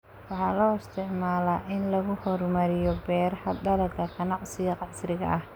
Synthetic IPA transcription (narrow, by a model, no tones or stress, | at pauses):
wɑħɑːlɔːɪst̪ʰɪʕmaːlaːʔɪnlɐɣʊhɔrmɐɾɪjɔbɛːɾɐhɐd̪ɐlɐkʰɐkʰɐnɑʕsɪɣɐqɑɪsɾɪɣɐ̰ʔɐh